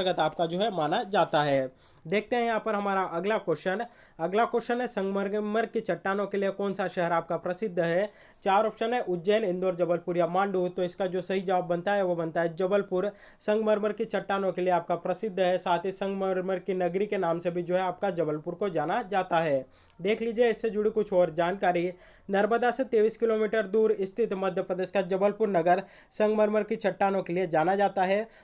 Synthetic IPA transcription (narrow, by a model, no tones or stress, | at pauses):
ɡət̪aːp̚kad͡ʒoːɦɛmaːnad͡ʒaːt̪aɦɛː | d̪eːk̚ʰt̪eɦɛ̃jɐɦãpɐɾɦɐmaːɾaʔɐɡlakoːɾʃən | ɐɡlakoːɾʃənɦɛsɐ̃ŋɡməɾməɾkit͡ʃɐʈːaːnõkeliekɔːnsaʃɛɦɛɾaːp̚kapɾɐsɪd̪ʱːɦɛ | t͡ʃaːɾɔːpʃənɦɛ̃ʔʊd͡ʒɛːnɪ̃nd̪oːɾd͡ʒɐbəlpʊɾjamãːɳɖuːt̪ːoɪskad͡ʒoːsɐɦid͡ʒɐʋaːbːɐnt̪aɦɛʋobɐnt̪aɦɛd͡ʒɐbəlpʊɾ | sɐ̃ŋɡməɾməɾkit͡ʃɐʈːaːnõkelieaːp̚kapɾɐsɪd̪ʱːɦɛsaːt̪ʰisɐ̃ŋɡməɾməɾkinɐɡɾikenaːmsebʱid͡ʒoːɦɛaːp̚kad͡ʒɐbəlpʊɾkod͡ʒaːnad͡ʒaːt̪aɦɛː | d̪eːkʰliːd͡ʒieɪsːed͡ʒʊɽikʊt͡ʃʰɔːɾd͡ʒaːnkaːɾi | nɐɾməd̪aset̪eːʋiːskɪloːmiːʈəɾd̪uːɾɪst̪ʰɪt̪mɐd̪ʱjəpɾəd̪eːʃkad͡ʒɐbəlpʊɾnɐɡəɾ | sɐ̃ŋɡməɾməɾkit͡ʃɐʈːaːnõkelied͡ʒaːnad͡ʒaːt̪aɦɛː